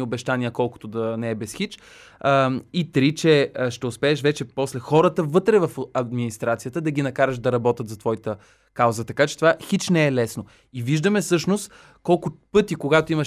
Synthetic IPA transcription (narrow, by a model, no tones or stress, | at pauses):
iobɛʃt̪aniəkɔlˠkʊ̥t̪od̪ɐnɛɛbɛsxit͡ʃ | it̪ɾit͡ʃɛʃt̪ɛʊspɛːʃvɛt͡ʃɛpɔslɛxɔɾət̪əvɤt̪ɾɛvɐfɐd̪minist̪ɾat̪sijət̪əd̪ɐɡ̟ʲinɐkaɾəʃd̪ɐɾɐbɔt̪ət̪zɐt̪vɔit̪ə | kawzət̪ɐkat͡ʃɛt̪ovaxit͡ʃnɛɛlɛsno | iviʒd̪əmɛfsɤʃnost̪ | kɔlˠkʊpɤt̪ikoɡat̪oimɐʃ